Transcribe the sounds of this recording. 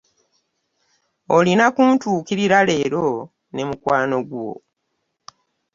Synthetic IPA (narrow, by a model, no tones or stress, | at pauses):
olinakuntuːkiɾiɾale̞ːɾo̞ | ne̞mukwaːno̞ɡuwo̰